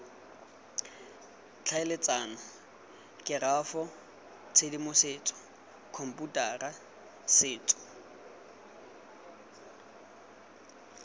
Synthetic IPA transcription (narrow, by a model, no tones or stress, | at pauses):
t͡ɬʰaɪlet͡sʼaːna | kʼɪrafɔ | t͡sʰedimʊseːt͡sʼɔ̥ | kʰom̩pʼutʼaːra | sɪːt͡sʼɔ̥